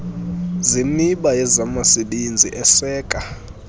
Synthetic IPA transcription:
ziniɓajɛzamasiɓind͡zʱiʔɛsɛːkʼa

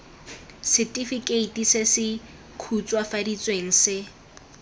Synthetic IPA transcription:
sɪtʼifikʼeitʼisesɪ | kʰut͡sʼwafadit͡sʼweŋ̩sɪ

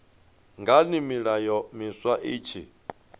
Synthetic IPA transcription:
ŋɡanimiɺajɔmiswaʔiːt͡ʃʰḭ

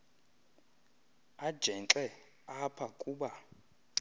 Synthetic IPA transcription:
ad̥ʒ̥ʱɛnt͡ɬʼɛ | apʰakʼuɓa

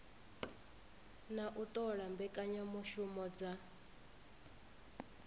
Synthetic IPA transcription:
naʔut̪ʼɔɺambɛkʼaɲamɔʃumɔd͡za

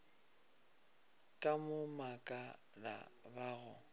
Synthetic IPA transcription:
kʼamʊmakʼa | la̰baɣʊ

